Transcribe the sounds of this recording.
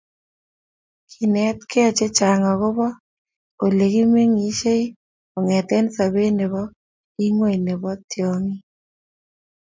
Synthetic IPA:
kʰi˨nɛ˦t̪̚kʰe˦ɔ˨t͡ʃe˦t͡ʃa˨ŋɔ˨ɣʊ˦bɔ˦ | o˨le˨ki˦me˦ŋi˨ʃe˦i˦ | o˨ŋɛ˨t̪ɛ˦nsa˨be˦ne˨βɔ˦ | i˦ŋwe˦i˨ne˨bɔ˦tjɔ˨ŋi˦

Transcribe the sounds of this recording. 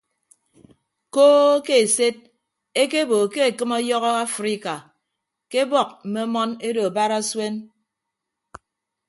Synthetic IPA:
koː˦ke˦e˨se˦t̚ | e˦ke˦bo˨ke˦e˨kɨ˦mɔ˦jɔ˦ɣɔ˦a˦fɾi˦ka˨ | ke˦bɔ˨k̚m̩˨me˦mɔ˦ne˦do˨a˨ba˦ɾa˦swe˦n

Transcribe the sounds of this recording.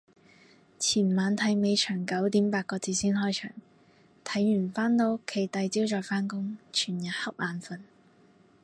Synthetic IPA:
t͡sʰiː˨˩nmaː˨˧nt̪ʰɐ˨˥jme˨˧jt͡ʃʰœː˨˩ŋkɐ˨˥wt̪iː˨˥mpaː˧t̚kɔː˧t͡siː˨˧siː˥nɦɔː˥jt͡ʃʰœ̰ː˨˩ŋ | t̪ʰɐ˨˥jːyː˨˩nfaː˥nt̪o˨˥wkʰe˨˩jt̪ɐ˧jt͡siː˥wt͡ʃɔː˨jfaː˥nkʊ˥ŋt͡ʃʰyː˨˩njɐ˨˩t̚hɐ˥p̚ʔaː˨˧nfɐ˨˧n

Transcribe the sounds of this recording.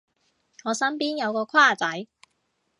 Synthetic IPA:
ŋɔː˨˧sɐ˥npiː˥njɐ˨˧wkɔː˧kʰwaː˥˨t͡sɐ˨˥j

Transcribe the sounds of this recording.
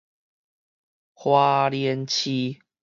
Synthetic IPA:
hwa˦ljɛ˧˦nt͡ɕʰi˦

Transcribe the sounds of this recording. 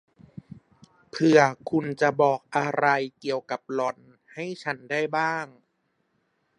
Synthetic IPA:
pʰɯ˧ɐkʰu˧nt͡ɕa˨˩bɔː˨˩k̚ʔa˧ɾa˧jki˨˧˩əwka˨˩p̚lɔ˨˩n | ha˥˩jt͡ɕʰa˦˥nda˥˩jbaː˥˩ŋ

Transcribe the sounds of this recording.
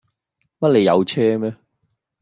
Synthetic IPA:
mɐ˥t̚le˨˧jɐ̰˨˧wt͡sʰɛː˥mɛː˥

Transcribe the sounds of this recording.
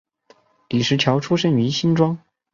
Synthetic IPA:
li˨˩ʂɻ̩˧˥t͡ɕʰjɑ˧˥ʊʈ͡ʂʰu˥ʂə˥ny˧˥ɕi˥nʈ͡ʂwɑ˥ŋ

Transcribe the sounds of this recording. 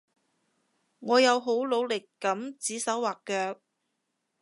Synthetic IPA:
ŋɔː˨˧jɐ˨˧wɦo˨˥wlo˨˧wlɪ˨kːɐ˨˥mt͡siː˨˥sɐ˨˥wwaː˨kːœː˧k̚

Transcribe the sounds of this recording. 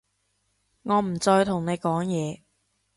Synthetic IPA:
ŋɔː˨˧m̩˨˩t͡sɔː˧jt̪ʰʊ˨˩ŋne˨˧jkɔː˨˥ŋjɛː˨˧

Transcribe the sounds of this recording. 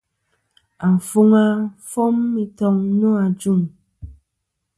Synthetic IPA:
a˨fu˦ŋa˦fo˦mːi˨tɔ˧ŋnũ˦a˨d͡ʒu˦˨ŋ

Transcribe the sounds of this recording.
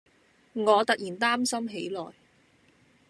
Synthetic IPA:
ŋɔː˨˧t̪ɐ˨k̚jiː˨˩nt̪aː˥msɐ˥mɦe˨˥jlɔː˨˩j

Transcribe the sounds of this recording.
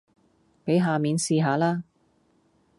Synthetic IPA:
pe˨˥jɦaː˨miː˨˧nsiː˧ɦaː˨˧laː˥

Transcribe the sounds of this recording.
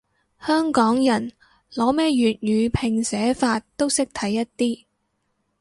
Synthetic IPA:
hœː˥ŋkɔː˨˥ŋjɐ˨˩n | lɔː˨˥mɛː˥jyː˨t̚jyː˨˧pʰɪ˨˩ŋsɛː˨˥faː˧tt̪o˥wsɪ˥k̚t̪ʰɐ˨˥jːɐ˥t̚t̪iː˥

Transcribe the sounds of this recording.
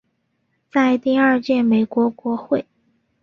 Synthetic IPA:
t͡sa˥˧ɪt̪i˥˧a˞˥˧t͡ɕjɛ˥˩me˨˩ɪkwɔ˧˥kwɔ˧˥xwe˥˩ɪ

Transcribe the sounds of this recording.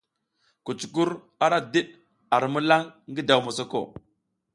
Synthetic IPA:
ku˨t͡ʃku˦ɾ | a˦ɾa˦di˦ɗ | a˨ɾmə˦la˦ŋɡi˦da˨wmu˨so˦ko̰˦˨

